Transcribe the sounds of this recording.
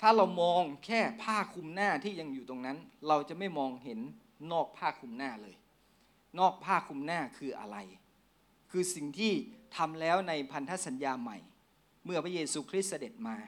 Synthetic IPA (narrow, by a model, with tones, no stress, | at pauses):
t̪ʰaː˥˩ɾa˧wmɔː˧ŋkʰɛː˥˩pʰaː˥˩kʰu˧mnaː˥˩t̪ʰiː˥˩ja˧ŋjuː˨˩t̪o˧ŋna˦˥nɾa˧wt͡ɕa˨˩ma˥˩jmɔː˧ŋɦe˩˦nː | ɔː˥˩k̚pʰaː˥˩kʰu˧mnaː˥˩lɤː˧j | nɔː˥˩k̚pʰaː˥˩kʰu˧mnaː˥˩kʰɯː˧ʔa̰˧ɾa˧j | kʰɯː˧si˨˩ŋt̪ʰiː˥˩t̪ʰa˧mlɛː˦˥wna˧jpʰa˧nt̪ʰa˦˥sa˩˦njaː˧ma̰˨˩j | mɯ˥˩ɐpʰɾa˦˥jeː˧suː˧kʰɾi˦˥t̪̚sa˧de˨˩t̪̚maː˧